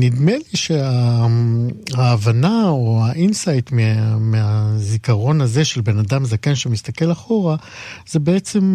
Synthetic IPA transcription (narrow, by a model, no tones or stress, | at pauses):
nid̪meliʃea | aːvanaoaʔinsajtmemeazikaʁo̞naze̞ʃe̞lbe̞nadamzakanʃemist̪ake̞laχo̞ʁaz̥e̞be̞et͡se̞m